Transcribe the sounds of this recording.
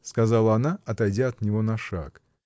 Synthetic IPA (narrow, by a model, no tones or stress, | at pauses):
skɐzɑlˠəɐnaɐt̪ɐjdʲaɐt̪nʲɪvonɐʂa̰k